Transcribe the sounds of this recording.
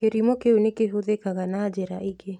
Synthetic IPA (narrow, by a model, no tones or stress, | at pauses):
keɾimɔkeunekeɦoðekaɣanad͡ʒɛɾa̰ʔiɡe